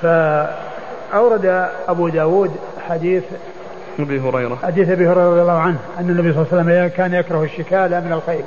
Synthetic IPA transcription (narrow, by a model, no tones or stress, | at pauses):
fa | ʔawɾˤɑd̪aʔabud̪aːwuːd̪ | ħad̪iːθ | ʔabiɦʊɾɑjɾɑħad̪iːθʔabihʊɾɑjɾɑɾˤɑðjalːɑːhʕanhʔanːanːabijsˤlːsalːamjkaːnjakɾˤɑhaʃːɪkaːlamɪnalxejb